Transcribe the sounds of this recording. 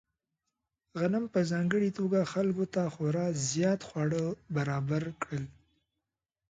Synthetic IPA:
ɣanəmpəzɑŋɡəɽit̪oɡaxalkot̪axoɾɑzjɑt̪xwɑɽəbaɾɑbaɾkɽəl

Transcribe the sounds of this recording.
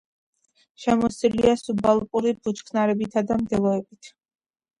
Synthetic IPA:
ʃɛmɔsiliasubalˠpʼuɾibut͡ʃkʰnaɾɛbit̪ʰad̪amd̪ɛlˠɔɛbit̪ʰ

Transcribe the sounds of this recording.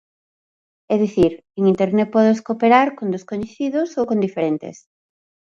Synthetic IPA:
ɛðiθiɾ | eŋint̪eɾnɛt̪̚pɔðeskopeɾaɾkond̪eskoɲeθiðʊsowkõnd̪ifeɾent̪ḛs

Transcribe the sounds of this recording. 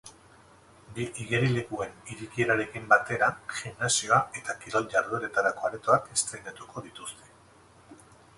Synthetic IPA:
biʔiɣe̞ɾile̞ɣue̞niɾikie̞ɾaɾe̞kimbat̪e̞ɾaʝimnasio̞ae̞t̪akiɾo̞lɟaɾðueɾe̞t̪aɾakoaɾet̪oakest̪ɾejnat̪ukʰo̞ðit̪ust̪ʰe̞̥

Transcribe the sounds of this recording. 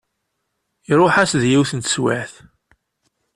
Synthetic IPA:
iɾˤoħæsðjiwθənt̪ə̥swæθ

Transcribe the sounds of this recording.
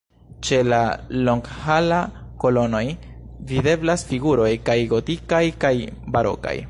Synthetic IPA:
t͡ʃe̞lalo̞ŋɡhalako̞lo̞no̞j | vide̞blasfiɡuɾo̞jkajɡo̞tikajkajbaɾo̞̰ka̰j

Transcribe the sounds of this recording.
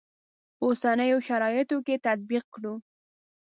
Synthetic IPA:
osanəjoʃaɾɑjɪt̪oket̪at̪̚biq̚kɽu

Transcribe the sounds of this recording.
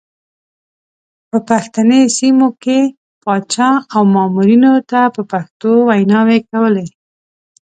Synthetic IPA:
pəpaxt̪anesimoke | pɑt͡ʃɑawmɑmuɾinot̪apəpaxt̪owajnɑwekawəle

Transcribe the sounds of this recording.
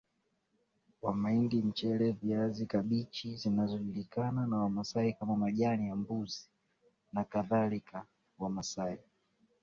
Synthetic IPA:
wamaindim̩t͡ʃɛlɛviazikaɓit͡ʃizinazɔʄulikananawamasaikamamaʄanijambuzi | nakaðalika | wamasai

